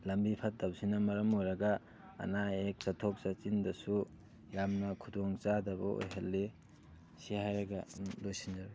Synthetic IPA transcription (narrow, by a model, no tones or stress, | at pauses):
lɐmbipʰat̚dawsinɐmɐɾɐmojɾɐɡɐ̰ː | naek̚sɐtʰok̚sat͡ʃindɐsu | jamnɐkʰudoŋt͡ʃadɐbɔ̰o̰jɦelːe | sihajɾɐɡalojsind͡ʒaɾ